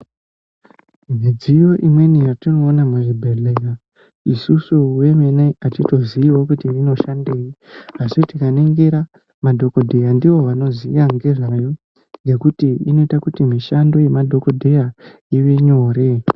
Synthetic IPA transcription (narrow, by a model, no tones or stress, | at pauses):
mid͡zijo̞ʔimwe̞nijatino̞ːnamuʐibʱe̞ɮeka | isusuwe̞meneatito̞ziiwo̞kutirino̞ʃande̞ːiɦaʐitikaneŋɡeɾa | madʱo̞ko̞dʱe̞jandiwo̞ʋano̞ziʋaŋɡe̞ʐajo | ŋɡe̞kutiino̞itakutimiʃando̞je̞madʱo̞ko̞dʱe̞ja | iʋeɲo̞ːɾe̞